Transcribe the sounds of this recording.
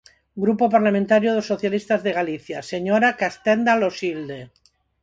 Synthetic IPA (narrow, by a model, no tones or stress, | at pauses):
ɡɾupopaɾlamẽnt̪aɾjoðosːoθjalist̪azðe̞ɣaliθjaseɲoɾakast̪end̪alosild̪e